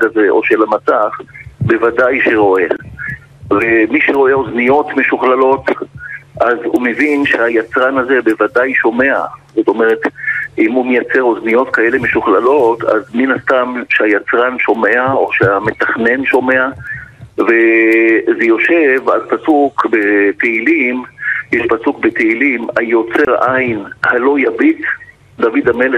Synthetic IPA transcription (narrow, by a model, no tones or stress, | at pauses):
kaze̞ʔo̞̰ʃelamasaχbe̞vadajʃeʁo̞e̞ | vemiʃeʁo̞e̞o̞znijo̞t̪meʃuχlalo̞t | ʔazhumevinʃehajat͡sʁanaze̞be̞vadajʃo̞me̞a̰z̥o̞to̞meʁe̞t̪imumejat͡se̞ʁo̞znijo̞t̪kae̞le̞me̞ʃuχlalo̞ta̰zminast̪amʃeajat͡sʁanʃo̞me̞ao̞ʃeamet̪aχne̞nʃo̞me̞a | ve̞ | zejo̞ʃe̞va̰lpasukbet̪eilimjɛʃpasukbet̪eilimajo̞t͡se̞ʁajinhalo̞jabit͡s | d̪avid̪amele